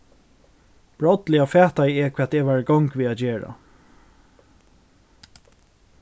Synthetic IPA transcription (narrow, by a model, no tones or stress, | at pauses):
b̥ɹɔt̪lɪafɛːht̪ajɛkʰviːat̪ɛːʋæːɹɡɔŋkʋiːat̪d͡ʒeːɹa̰